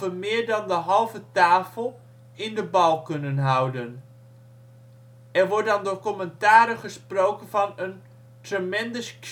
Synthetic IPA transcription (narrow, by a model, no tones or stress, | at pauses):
əmɪːɹdɑndəɦɑlˠvətaːfəlˠ | ɪndəbɑlˠkɵnənɦʌwdən | ɛrʋɔrt̚dɑndʊːrkɔməntaːɾəχəsprowkənvɑnən | trəmɛndəsk